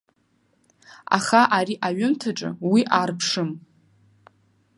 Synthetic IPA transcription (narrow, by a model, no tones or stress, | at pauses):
a̰χaʔaɾiʔaɥʊmtʰaʈ͡ʂʼɨ̰wiʔaːrpʰʂɨm